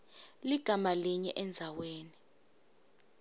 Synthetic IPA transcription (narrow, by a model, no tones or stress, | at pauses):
liɡ̥ʱamaliɲɛ̰ʔɛnd͡zʱaweːni